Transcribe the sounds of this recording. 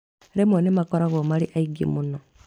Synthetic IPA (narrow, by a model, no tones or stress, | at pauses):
ɾemonemakoɾaɣomaliʔaiɡḭmuno